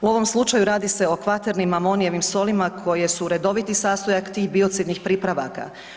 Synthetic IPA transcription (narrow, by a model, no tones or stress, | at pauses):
uo̞ʋo̞mslˠut͡ʃajuɾaːd̪ise̞o̞kʋat̪eɾnimamo̞nijeʋimso̞limakʰo̞je̞suɾe̞d̪o̞ʋit̪isaːst̪ojakt̪iːɣbio̞t̪sid̪nixpɾiːpɾaʋaka̰